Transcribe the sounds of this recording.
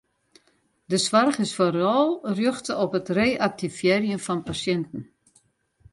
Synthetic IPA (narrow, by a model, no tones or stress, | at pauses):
dəsʋarχɪsforɔlˠrjøxtəɔpətreːʔak̚tifjɛrjənfɔnpasjɛntən̩